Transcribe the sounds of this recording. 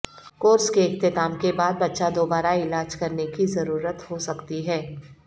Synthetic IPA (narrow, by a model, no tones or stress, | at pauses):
koːɾskeɪxt̪ɪt̪aːmkebaːd̪̚bɐtːʃad̪oːbaːɾaɪlaːd͡ʒkɐɾnekizɐɾuːɾət̪hosɐkt̪iɦɛː